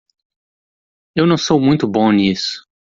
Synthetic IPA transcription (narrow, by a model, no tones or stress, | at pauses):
ewnɐ̃w̃sowmũj̃t̪ʊbõnisʊ̥